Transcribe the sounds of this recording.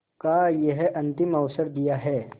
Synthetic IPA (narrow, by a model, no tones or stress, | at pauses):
kajeɦʔɐ̃nt̪ɪmɐʊsəɾd̪ijaɦɛː